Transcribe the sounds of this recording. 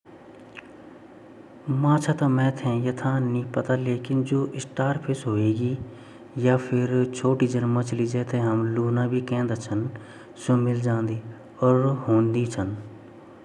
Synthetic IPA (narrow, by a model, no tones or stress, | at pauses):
mãːt͡ʃʰaːt̪amɛ̃ːt̪ʰẽːjət̪ʰãːnĩːpət̪aːleːkɪnd͡ʒoːʔɪsʈaːɾpʰɪsɦoːeːɡiː | jaːpʰɪɾt͡ʃʰoːʈiːd͡ʒənmət͡ʃliːd͡ʒɛːt̪ʰẽːɦəmluːnãːbʱiːkɛ̃ːnd̪aːt͡ʃʰən | soːmɪld͡ʒãːnd̪iː | ɔːɾɦõːnd̪iːt͡ʃʰən